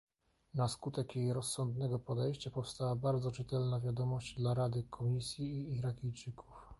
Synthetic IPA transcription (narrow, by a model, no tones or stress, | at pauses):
naskut̪ɛkjejɾɔsːɔnd̪nɛɡɔpɔd̪ɛjɕt͡ɕapɔfst̪awabaɾd̪zɔt͡ʂɘt̪ɛlnavʲjad̪ɔmɔɕd͡ʑd̪laɾad̪ɘkʰɔmʲisʲjiːɾakʲijt͡ʂɘkʰuf